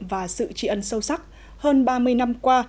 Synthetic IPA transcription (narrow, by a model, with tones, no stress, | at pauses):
vaː˨˩sɨ̰˧˨t͡ɕḭ˧˩ʔə˧˩nsə˧wsa˦˥k̚ | həː˧nɓaː˧mɨ˧əjna˧mkwaː˧